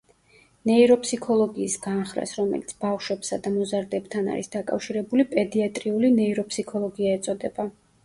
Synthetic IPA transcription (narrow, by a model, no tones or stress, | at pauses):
nɛiɾɔpʰʼsikʰɔlˠɔɡiːsɡanχɾa̰sɾɔmɛ̰lit̪sʰbafʃwɛbsad̪amɔzaɾd̪ɛbt̪ʰana̰ɾisd̪akʼa̰fʃiɾɛbulipʼɛd̪iat̪ʼɾiulinɛiɾɔpʰsikʰɔlˠɔɡiaɛt̪sʼɔd̪ɛba